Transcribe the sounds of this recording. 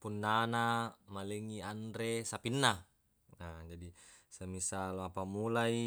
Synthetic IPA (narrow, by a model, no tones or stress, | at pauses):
punːanamaleŋiandɾesapinːa | ad͡ʒadisamisaloapamulai